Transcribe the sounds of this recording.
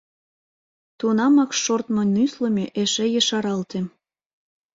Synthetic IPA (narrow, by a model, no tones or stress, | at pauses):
t̪unɑmɑkʃort̪mŏnyslə̆mʲeʔeʃejəʃɑɾɑlt̪em